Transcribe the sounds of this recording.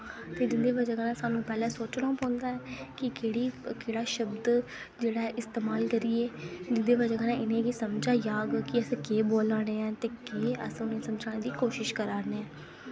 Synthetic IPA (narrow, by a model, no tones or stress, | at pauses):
t̪eːd͡ʒɪnd̪eːʋəd͡ʒaːɡənãːsaːnũːpɛːlɛ̃ːsoːt͡ʃɽãːpɔ̃ːnd̪aːɛːkɪkeːɽiːkeːɽaːʃəbd̪ | d͡ʒeːɽaːɛʔɪst̪eːmaːlkəɾiːeːd͡ʒɪnd̪eːbəd͡ʒaːɡənãːɪnẽːkisəmd͡ʒaːjaːɡkɪəskeːboːlaːɽeːɛ̃ːt̪eːkeːə̰sʊneːsəmd͡ʒaːẽːd̪iːkoːʃɪʃkəɾaːneːɛ̃ː